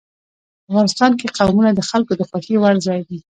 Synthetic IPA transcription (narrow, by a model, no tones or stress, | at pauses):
afɣɑnɪst̪ɑnkeqawmunad̪əxalkod̪əxwaxewaɾzɑjd̪i